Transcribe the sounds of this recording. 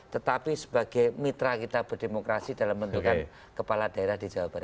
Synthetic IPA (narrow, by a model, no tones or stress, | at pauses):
t̪ət̪apisəbaɡ̥ajmit̪ɾakit̪ab̥ərdemokɾasid̥alambənt̪ukan | kəpalad̥aeɾahdid͡ʒawab̥aɾa